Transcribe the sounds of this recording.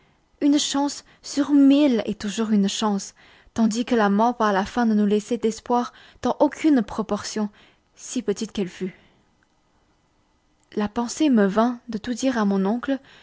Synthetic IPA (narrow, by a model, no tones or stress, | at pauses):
ynʃɑ̃sː | yʁmilɛ̰t̪uʒuʁynʃɑ̃s | t̪ɑ̃d̪ikəlamɔ̃paʁlafɛ̃d̪ənulɛsed̪ɛspwaʁ | d̪̥ɑ̃ʔokʲʰynpχɔpɔʁsjɔ̃ | sipət̪it̪kɛlfy | lapɑ̃seməvɛ̃d̪ət̪ud̪iʁamɔ̃nɔ̃kl